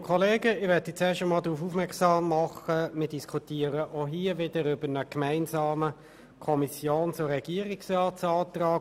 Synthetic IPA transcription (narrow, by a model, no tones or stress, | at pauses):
kʰɔleːɡəɪʋɛt̪it͡sɛːɐʃəmɑːld̪ɾuːfufmɛksɑːmːɑχəmɪːd̥iskʰutiːəɾəʔoɦiːəʋɪd̥əɾʏbənəkmæɪnsɑːmə | kʰɔmisjoːnt͡sʊɾɛɡ̥iəɾiksrɑːtsɑːt̪rɑː